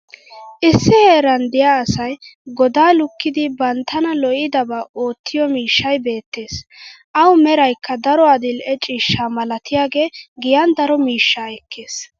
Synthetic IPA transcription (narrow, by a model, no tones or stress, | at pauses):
ʔɪsːɪheːɾɐnd̪ɪjaːsɐjɡɔd̪aːlʊkːɪd̪ɪbɐnt̪ːɐnɐlɔʔɪd̪ɐbɐo̞ːt̪ːɪjɔmiːʃːɐjbe̞ːt̪ːe̞ːsʔɐwmɛɾɐjkʰːɐd̪ɐɾɔɐd̪ɪlɛt͡ʃʼiːʃːaːmɐlɐt̪ɪjaːɡe̞ːɡɪjɐnd̪ɐɾɔmiːʃːaɛkʰːe̞ːs